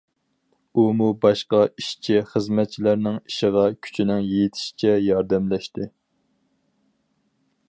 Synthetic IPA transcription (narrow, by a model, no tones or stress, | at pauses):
umubɑʃqɑiʃt͡ʃʰiχəzmɛt̪̚t͡ʃʰilæɾnɪŋiʃɪʁɑkʲʰy̥t͡ʃʰinɪŋjejt̪ʰɪ̥ʃi̥t͡ʃʰɛjɑɾd̪ɛmlɛʃt̪ɪ